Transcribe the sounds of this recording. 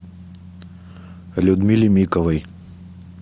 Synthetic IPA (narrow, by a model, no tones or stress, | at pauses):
lʲud̪mʲilʲimʲikɔvɐj